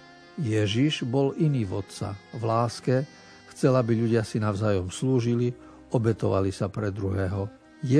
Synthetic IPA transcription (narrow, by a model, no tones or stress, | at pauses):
jɛʒiʒbɔliniːvɔt̪t͡sa̰vlaːskɛ | xt͡sɛlabiʎuɟɪasinaʊzaːjɔmsluːʒili | ɔbɛt̪ɔʋalisapɾɛd̪ɾuɦɛːɦɔ | jɛ